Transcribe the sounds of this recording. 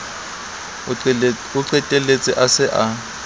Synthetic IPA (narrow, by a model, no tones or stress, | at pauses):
ʊǀɛtʼelet͡sʼɪʔasɪʔa